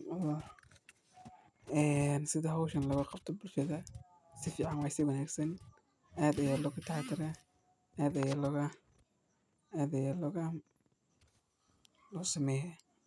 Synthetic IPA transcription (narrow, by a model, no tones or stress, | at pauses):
ɔ | ɛːnsɪðɐɦɔwʃɐnlɐɣɐqɑb̚t̪ʰɔbʊlʃɐðɐ | sɪfiːʕɑnwɑsɪwɐnaːɡsɐn | ʔaːd̪ɐjaːlɔkɐt̪ʰat̪ʰɪɾɛ | ʔaːd̪ɐjaːlɔɣɐ | aːd̪ɐjaːlɔɣɐ | lɔsɐmɛːjɛ